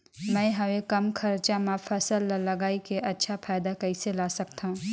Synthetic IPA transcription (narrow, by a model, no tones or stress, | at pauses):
mɛ̃ːɦɐʋekɐmkʰɐɾt͡ʃãmãfʰɐsəllɐɡaːikʰeʔɐtːʃʰapʰaːɪd̪akɐiselasɐk̚t̪ʰãũ